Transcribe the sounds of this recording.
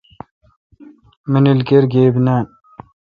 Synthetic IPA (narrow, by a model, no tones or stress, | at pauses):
minilkeɾɡeːbnaːn